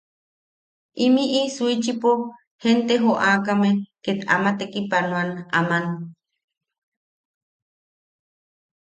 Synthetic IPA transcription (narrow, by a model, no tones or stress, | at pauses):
ʔimiʔisuit͡ʃipo | hent̪eɦoʔaːkameket̪a̰mat̪ekipanw̃ana̰man